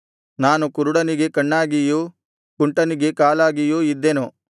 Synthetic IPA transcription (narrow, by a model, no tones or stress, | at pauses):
naːnukuɾuɽɐniɡe̞kɐɳːaːɡijuː | kuɳʈɐniɡe̞kaːlaːɡijuːid̪ːenu